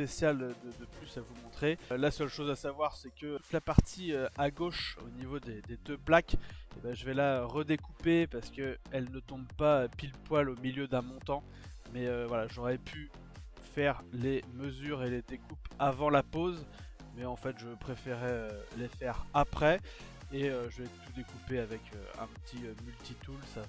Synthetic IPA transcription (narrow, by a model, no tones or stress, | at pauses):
pesjald̪əd̪əplysavumɔ̃t̪χelasœlʃozasavwaʁsɛkəut̪lapaʁt̪ʰiøaɡoʃo̰nivod̪ed̪ed̪øplakebãʒəvɛlaøʁəd̪ekupepaʁsə̥kəɛlnət̪ɔ̃bpaøpilpwalomiljød̪ɛ̃mɔ̃t̪ɑ̃ | mɛøvwalaʒɔʁɛpʰy | fɛʁleməzyʁeled̪ekupavɑ̃lapoz | mɛɑ̃fɛt̪ʒəpχefɛʁɛølefɛʁapχɛ | eøʒəvɛt̪ud̪ekupeavɛkʰø̰ɛ̰̃pət̪ʰiømylt̪it̪ulsa